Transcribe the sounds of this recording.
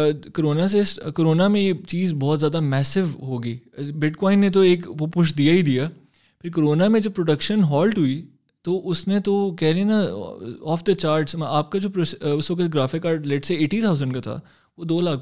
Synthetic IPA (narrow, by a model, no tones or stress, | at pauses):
koɾoːnas̬eɪskoɾoːnamẽjet͡ʃiːzbɔːt̪zjaːd̪amɛːsɪʋɦoːɡiːbɪʈkɔːɪ̃nːet̪̬oeːkopʊʃd̪ijaid̪ijaː | pʰɪɾk̬oɾoːnamẽd͡ʒɐb̚pɾoɖɐkʃənɦɔːlʈɦʊi | t̪oʔʊsnẽt̪okɛɦɾẽnaɔːfʰd̪ət͡ʃaːɾɖsmaːp̚kad͡ʒoːpɾosʊsʋɐkət̪ɡɾaːfɪkːaːɾɖlɛʈseeːʈit̪ʰaʊzə̃ɳɖkat̪ʰa̰ː | ʋod̪oːlaːk